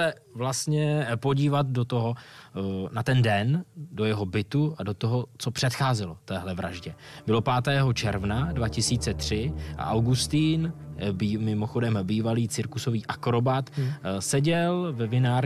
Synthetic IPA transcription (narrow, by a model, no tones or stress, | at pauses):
ɛ | vlast̪ɲɛpo̞ɟiːvat̪̚dot̪oɦo | nat̪ɛndɛndo̞jɛɦo̞bɪt̪uado̞t̪oɦot͡so̞pr̥ɛt̪xaːzɛlo̞t̪ɛːɦlɛvɾa̰ʒɟɛbɪlo̞paːt̪ɛːɦo̞t͡ʃɛɾvnadvacɪsiːt͡sɛt̪r̝̥ɪʔa̰ʔawɡust̪iːnbmɪmoxo̞dɛmbiːvaliːt͡sɪɾkuso̞viːʔakɾo̞bat̪sɛɟɛlvɛvɪnaːɾ